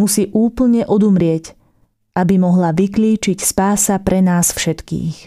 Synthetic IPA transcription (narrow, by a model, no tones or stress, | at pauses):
usiːʔuːpl̩ɲɛʔɔd̪umɾɪɛc | ʔabimɔɦlaʋikliːt͡ʃicspaːsapɾʔɛnaːsfʃɛt̪kḭːx